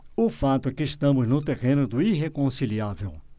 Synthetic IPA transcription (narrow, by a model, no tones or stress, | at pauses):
ʊfat̪ʊɛkɪːʃt̪ɐ̃mʊznʊt̪̬eʁẽnʊd̪ʊiɦekõsiliavew